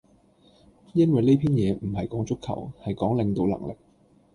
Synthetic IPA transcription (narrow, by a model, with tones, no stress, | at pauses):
jɐ˥nwɐ˨jle˥pʰiː˥njɛː˨˧m̩˨˩hɐ˨jkɔː˨˥ŋt͡ʃʊ˥kʰːɐ̰˨˩whɐ˨jkɔː˨˥ŋlɪ˨˧ŋt̪o˨˧wlɐ̰˨˩ŋlɪ̰˨˩k̚